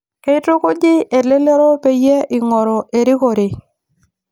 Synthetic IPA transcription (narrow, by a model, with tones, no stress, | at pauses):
ke˦ɪ˦tɾo˦ko˦d͡ʒɪ˦e˨le˦le˦ɾo˦pe˦jɛ˦ɪ˨ŋɔ˨ɾɔ˨ʔe˨ɾɪ˦ko˨ɾɪ˨